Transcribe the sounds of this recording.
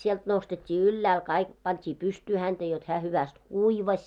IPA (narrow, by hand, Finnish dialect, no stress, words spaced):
sielt nostetʲːiː ylːæːl kɑik pɑntʲiː pystyː hænd̥æ jot hæː hyʋæst kuiʋɑsʲ